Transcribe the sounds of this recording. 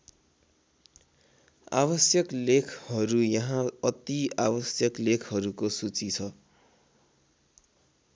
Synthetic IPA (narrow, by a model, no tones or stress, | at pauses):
a̰bʌsjʌklekʰhʌɾujʌɦãʌt̪iabʌsjʌklekʰɦʌɾukosut͡sit͡sʰʌ